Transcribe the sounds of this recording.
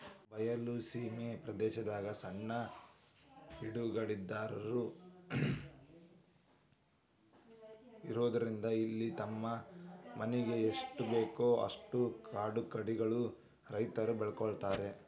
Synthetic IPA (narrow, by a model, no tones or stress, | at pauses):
bɐjɐlusiːmepɾɐd̪ɛːʃɐd̪aːɡɐsɐɳːɐ | iɽuɡɐɭid̪ːaːɾɐɾu | iɾoːd̪ɐɾind̪ɐilːit̪ɐmːɐmɐnɛɡe̞ːʂʈubeːkoːɐ̰ʂʈukʰaːɖukɾɐɽiɡɐɭu | ɾɐjt̪ɐɾubɛɭkɔɭt̪aːɾe̞